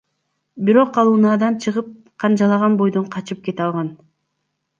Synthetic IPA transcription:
biɾo̞qɑlˠunɑːd̪ɑnt͡ʃʰɯʁɯp̚ | qʰɑnd͡ʒɑlˠɑʁɑnbo̞jd̪o̞ɴqʰɑt͡ʃɯp̚ke̞t̪ɑlˠʁɑn

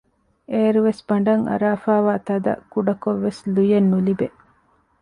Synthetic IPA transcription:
ʔeːɾuʋesb̥ɐɳ̆ɖɐŋʔɐ̰ɾaːfaːʋaːt̪ɐd̪ɐ̰kuɖɐkoʋːeslujenːulibe

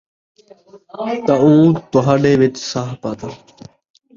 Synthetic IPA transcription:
t̪aũːt̪ʊɦãːɖeːʋɪt͡ʃsaːɦpaːt̪aː

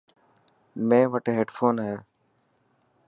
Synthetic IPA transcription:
mẽːʋəʈeːɦeːɖfʰoːnɦɛ

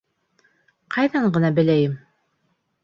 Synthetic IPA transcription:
qʰɑjðɑɴɢɤ̆nɑbɘ̆læjɘm

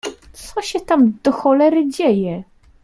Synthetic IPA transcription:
t̪sɔɕɛt̪amd̪̥ɔxɔlɛɾɘd͡ʑɛjɛ

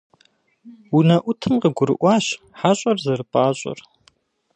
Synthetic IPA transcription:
unɐʔʷʊtʰɨmqəɡʷʊɾɨ̰ʔʷɑːɕ | ħaɕʼɐrzɐrɨpʼaːɕʷʼɔ̰r

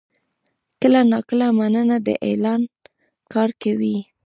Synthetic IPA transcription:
kəlanɑkəlamanənad̪ə̰ʔḛlɑn | kɑɾkawi

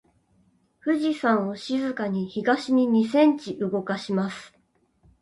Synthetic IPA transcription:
ɸɯ̟ʑisãɰ̃o̞ɕizɨkaɲ̟içiɡaɕiɲ̟iɲ̟isẽ̞ɲ̟t͡ɕiʔɯ̟ɡo̞kaɕimasɨ̥

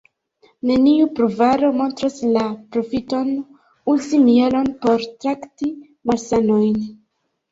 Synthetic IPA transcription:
ne̞niupɾuvaɾo̞mo̞ntɾaslapɾo̞fito̞n | ulzimielo̞npo̞ɾtɾakti | malsano̞jn

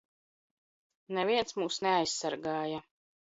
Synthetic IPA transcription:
nɛviɛnsmuːsnɛajssaɾɡaːja

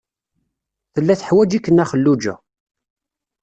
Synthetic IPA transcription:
θəlːæθə̥ħwæd͡ʒikːənːæχəlːud͡ʒæ̰

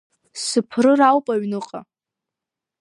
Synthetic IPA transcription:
sɨpʰrɨrawpʼaɥnɨqʼa̰

